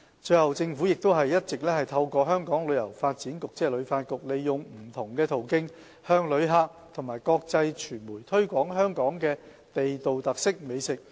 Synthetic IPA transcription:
t͡ʃɵ˧ɥhɐ˨wt͡sɪ˧ŋfuː˨˥jɪ˨k̚t̪o˥wɦɐ˨jːɐ˥t̚t͡sɪ˨k̚lɛː˥hɐ˨jt̪ʰɐ˧wkɔː˧ɦœː˥ŋkɔː˨˥ŋlɵ˨˧ɥjɐ˨˩wfaː˧t̚t͡siː˨˥nkʊ˨k̚t͡sɛː˧lɵ˨˧˥ɥfaː˧t̚kʊ˨k̚le˨jːʊ˨ŋm̩˨˩t̪ʰʊ˨˩ŋkɛː˧t̪ʰo˨˩wkɪ˥ŋ | hœː˧ŋlɵ˨˧ɥɦaː˧k̚t̪ʰʊ˨˩ŋmaː˨jkɔː˧k̚t͡sɐ˧jt͡ʃʰyː˨˩nmuː˨˩jt̪ʰɵ˥ɥkʷɔː˨˥ŋɦœː˥ŋkɔː˨˥ŋkɛː˧ | t̪e˨jt̪o˨wt̪ɐ˨˩k̚sɪ˥k̚me˨˧jsɪ˨k̚

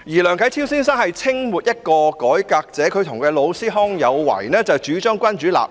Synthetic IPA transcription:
jiː˨˩lœː˨ŋkʰɐ˨˥tʰiː˥wsiː˥ns̬ɐ˥nhɐ˨jt͡sʰɪ˥ŋmuː˨t̚jɐ˥t̚kɔː˧kɔː˨˥jkaː˧k̚t͡sɛː˨˥kʰɵ˨˧ɥt̪ʰʊ˨˩ŋkɛː˧lo˨˧wsiː˥ɦɔː˥ŋjɐ˨˧wwɐ̰˨˩jnɛː˥t͡sɐ˨wt͡ʃyː˨˥t͡ʃœː˥ŋkʷɐ˥nt͡ʃyː˨˥la̰ː˨p̚

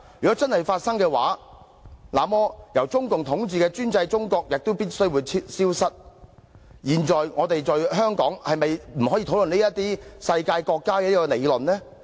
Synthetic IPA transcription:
jy˨kɔː˨˥t͡sɐ˥nhɐ˨jfaː˧t̚sɐ˥ŋkɛː˧wa̰ː˨˥ | la̰ː˨˩mɔː˧jɐ˨˩wt͡sʊ˥ŋkʊ˨ŋt̪ʰʊ˨˥ŋt͡siː˨kɛː˧t͡ʃyː˥nt͡sɐ˧jt͡sʊ˥ŋkɔː˧k̚jɪ˨k̚t̪o˥wpiː˥t̚sɵ˥ɥwuː˨˧jʰsiː˥wsɐ˥t̚ | jiː˨˩nt͡ʃɔː˨jŋɔː˨˧t̪e˨jt͡sɔː˨jɦœː˥ŋkɔ̰ː˨˥ŋhɐ˨jmɐ˨jm̩˨˩hɔː˨˥ji˧tʰwlɵ˨ne˥jɐ˥t̚t̪iː˥sɐ˧jkaː˧jkɔː˧kːaː˥kɛː˧liː˥kɔ˧ne˨˧jlɵ˨nlɛː˥

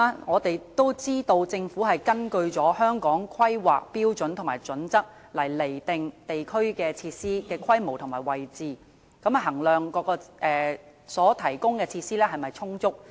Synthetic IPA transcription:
a˥ŋɔː˨˧t̪e˨jt̪o˥wt͡siː˥t̪o˧wt͡sɪ˧ŋfuː˨˥ɦɐ˨jkɐ˥nkɵ˧ɥt͡sɔː˨˥hœː˥ŋkɔː˨˥ŋkʰwɐ˥jwaː˨˩k̚piː˥wt͡sɵ˨˥nt̪ʰmaː˨˩jt͡sɵ˨˥nt͡sɐ˥k̚ | lɐ˨˩jle˨˩jt̪ɪ˨ŋt̪e˨jkʰɵ˥ɥkɛː˧t͡sʰiː˧t̚siː˥kɛː˧kʰwɐ˥jmo˨˩wt̪ʰʊ˨˩maː˨˩jwɐ˨jt͡siː˨ | kɐ˨˥mɐ˨˩ɦɐ˨˩ŋlœː˨ŋkɔː˧kɔː˧ʔɛː˨sɔː˨˥t̪ʰɐ˨˩jkʊ˥ŋkɛː˧t͡sʰiː˧t̚siː˥lɛː˥ɦɐ˨jmɐ˨jt͡sʰʊ˥ŋt͡sʊ˥k̚

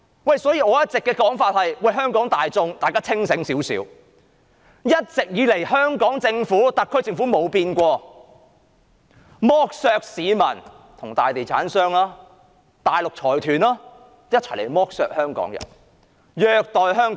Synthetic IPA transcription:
wɐ˨˩jsɔː˨˥jiː˨˧ɔː˨˧jɐ˥t̚t͡sɪ˨kːɛː˧kɔː˨˥ŋfaː˧t̚hɐ˨jwɐ˨˩jɦœː˥ŋkɔː˨˥ŋt̪aː˨jt͡sʊ˧ŋt̪aː˨jkaː˥t͡sʰɪ˥ŋsɪ˨˥ŋsiː˨˥wsḭː˨˥w | jɐ˥t̚t͡sɪ˨k̚jiː˨˧le˨˩jhœː˥ŋkɔː˨˥ŋt͡sɪ˧ŋfuː˨˥t̪ɐ˨t̚kʰːɵ˥ɥt͡sɪ˧ŋfuː˨˥mo˨˧wpiː˧nkʷɔː˧ | mɔː˥k̚sœː˧k̚siː˨˧mɐ̰˨˩n | t̪ʰʊ˨˩ŋt̪aː˨jt̪e˨˩jt͡sʰa̰ː˨˥nsœː˥ŋlaː˧˥ | t̪aː˨jlʊ˨k̚t͡sʰɔː˨˩jt̪ʰyː˨˩nlaː˥ | jɐ˥t̚t͡sʰɐ˨˩lḛ˨˩jmɔː˥k̚sœ̰ː˨k̚hœː˥ŋkɔ̰ː˨˥ŋjɐ̰˨˩n | jœː˨˧k̚t̪ɔː˨jɦœː˥ŋ

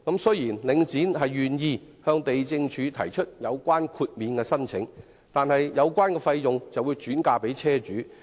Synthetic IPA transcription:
kɐ˨˥msɵ˥jiː˨˩nlɪ˨˧ŋt͡siː˨˥nɦɐ˨jːyː˨njiː˧hœː˧ŋt̪e˨jt͡sɪ˧ŋt͡ʃʰyː˨˧t̪ʰɐ˨˩jt͡ʃʰɵ˥t̚jɐ˨˧wkʷaː˥nkʰuː˧t̚miː˨˧nkɛː˧sɐ˥nt͡sʰɪ̰˨˥ŋ | t̪aː˨nhɐ˨jjɐ˨˧wkʷaː˥nkɛː˧fɐ˧jjʊ˨ŋt͡sɐ˨wuː˨˧wt͡ʃyː˨˥nkaː˧pe˨˥jt͡sʰɛː˥t͡ʃyː˨˥

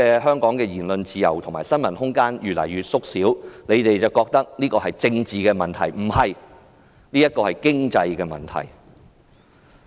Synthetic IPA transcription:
ɛː˧ɦœː˥ŋkɔː˨˥ŋkɛː˧jiː˨˩nlɵ˧nt͡siː˨˧jɐ̰˨˩wt̪ʰʊ˨˩ŋmaː˨jsɐ˥nmɐ˨˩nhʊ˥ŋkaː˥njyː˨t̚lɐ̰˨˩jyː˨˧t̚sʊ˥k̚siː˨˥wne˨˧jt̪e˨jt͡sɐ˨˩wkɔː˧k̚t̪ɐ˥k̚liː˥kɔː˧hɐ˨jt͡sɪ˧ŋt͡siː˨kɛː˧mɐ˨nt̪ʰɐ˨˩jm̩˨˩hɐ˨j | niː˥jɐ˥t̚kɔː˧hɐ˨jkɪ˥ŋt͡sɐ˧jkɛː˧mɐ̰˨nt̪ʰɐ̰˨˩j

